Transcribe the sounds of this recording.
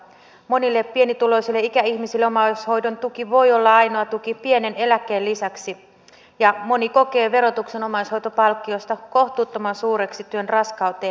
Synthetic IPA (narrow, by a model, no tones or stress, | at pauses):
mo̞nilːepːie̞nit̪ulo̞isilːeikæiçmisilːeo̞mɑsho̞jdont̪ukiʋo̞jo̞lːɑɑjno̞ɑt̪ukipie̞ne̞ne̞lækːˑeːlisæksi | jɑmo̞niko̞ke̞ːʋe̞ɾo̞t̪ukse̞no̞mɑjsho̞jt̪opɑlkːio̞st̪ɑko̞ht̪uːt̪ːomɑnsuːɾe̞ksit̪yønrɑskɑwt̪eː